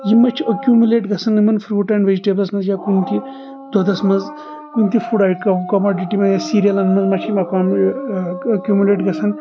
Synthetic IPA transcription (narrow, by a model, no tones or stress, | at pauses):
jimɐt͡ʃʰiɐkʲjumuleːʈɡɐsɐnːɐmɐnfʰɾuːʈɐɳɖʋed͡ʒiʈeːblɐsmɐzjakunt̪i | d̪̥ʱod̪ɐsmɐnz | kunt̪ifuɖajʈkkɐmoːɖiʈimɐzjasiɾijɐlɐnmɐnzmɐt͡ʃʰimɐkam | ɐkʲjumuleːʈɡʱɐsʰɐn